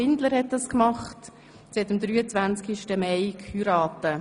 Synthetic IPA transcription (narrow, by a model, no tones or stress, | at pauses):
ɪndləɾhɛt̚d̥ɑskmɑχt | sɛtəmd̥̪ɾyːət͡sʋvænt͡skiʃtəmɛɪkʰyɾɑːtə